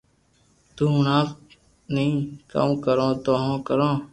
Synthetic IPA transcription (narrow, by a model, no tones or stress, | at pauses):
t̪uːɦʊnaːf | nəɦĩːka̰ːmkəɾõːt̪oːɦõːkəɾõː